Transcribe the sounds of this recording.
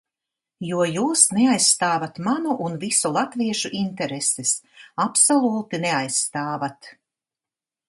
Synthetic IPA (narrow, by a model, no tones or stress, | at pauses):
juɔjuːsneajsːt̪aːvat̪manuʔunvisulˠat̪viɛʃuʔint̪ɛɾesesapsolˠuːt̪ineajsːt̪aːvat̪